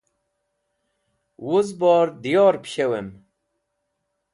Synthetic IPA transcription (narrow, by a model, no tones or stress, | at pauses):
wʊzbɑːɾd̪ijɑːɾpɕɛwɛm